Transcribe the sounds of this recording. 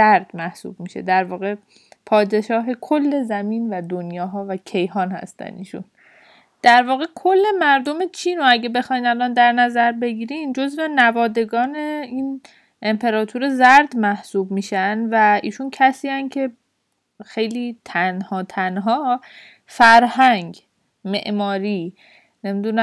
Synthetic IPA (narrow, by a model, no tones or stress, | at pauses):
zæɾd̪̥mæhsṵːb̚miːʃḛd̪æɾvɒːɣe̞ | pʰɒːd̪e̞ʃɒːɦe̞kʰolːe̞zæmiːnvæd̪onjɒːɦɒːvæcʰe̞jhɒːnhæ̰st̪æ̰nḭːʃṵn | d̪̥æɾvɒːɣe̞kʰo̞lːe̞mæɾd̪o̞met͡ʃʰiːno̞æɟebe̞xɒːjnælɒnd̪æɾnæzæɾbe̞ɡiːɾind͡ʒo̞zve̞nævɒːd̪e̞ɡɒːne̞iːn | e̞mpʰe̞ɾɒːt̪ʰuɾezæɾd̪mæhsuːb̚miːʃænvæḭːʃuncʰæsiːæncʰe̞ | xe̞jliːt̪ʰænhɒːt̪ʰænɦɒː | fæɾhæŋɟ | meʔmɒːɾiː | ne̞mid̪unæ